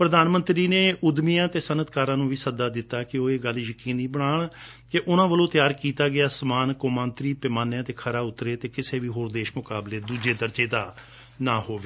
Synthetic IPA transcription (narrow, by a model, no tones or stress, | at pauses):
pɾəd̪aːnmə̃nt̪ɾiːneːʊd̪mijãːt̪eːsənət̪kaːɾãːnũːʋiːsəd̪aːd̪ɪt̪ːaːkɪoːeːɡəljəkiːniːbəɽaːɳ | keʔʊnãːʋəlõːt̪ɪjaːɾkiːt̪aːɡɪaːsəmaːnkoːmãːnt̪ɾiːpɪmaːnjãːt̪eːkʰəɾaːʊt̪ɾeːt̪eːkɪseːʋiːɦoːɾd̪eːʃmʊkaːbleːd̪uːd͡ʒeːd̪əɾd͡ʒeːd̪aː | naːɦoːʋeː